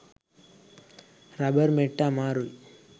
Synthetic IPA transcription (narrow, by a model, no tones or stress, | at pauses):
ɾɐbɐɾmeʈːamaːɾuj